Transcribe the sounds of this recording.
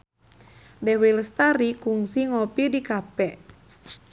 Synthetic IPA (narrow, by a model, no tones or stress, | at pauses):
dɛwilst̪aɾikuŋsiŋɔpidikapɛʔ